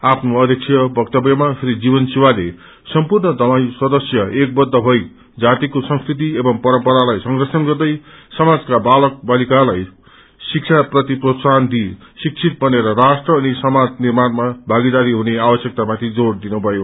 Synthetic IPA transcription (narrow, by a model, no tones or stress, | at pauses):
apʰnoʌd̪ʱjʌk̚t͡sʰjʌbʱʌkt̪ʌbjʌmapʰiɾid͡zibʌnsiwale | sʌmpurnʌd̪ʌmajsʌd̪ʌsjʌek̚bʌd̪ːʌbʱʌj | d͡zat̪ikosʌŋskrit̪̬iebʌmpʌɾʌmpʌɾalajsʌŋɡʌsʌnɡʌrd̪ʌjsʌmad͡zkabalʌk̚balikalaj | sik̚t͡ʃʰaprʌt̪iprosand̪isik̚t͡sʰit̪̚bʌneɾʌɾasʈrʌːnisʌmad͡znirmanmabʱaɡid̪aɾiɦuneabʌsjʌk̚t̪amat̪ʰid͡zord̪inubʱʌjo